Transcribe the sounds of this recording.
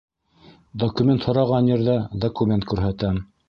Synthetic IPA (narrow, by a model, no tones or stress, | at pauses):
d̪okumʲent̪hŏɾɑʁɑnjɘ̆ɾðæd̪okumʲent̪̚kʉɾɦæt̪æm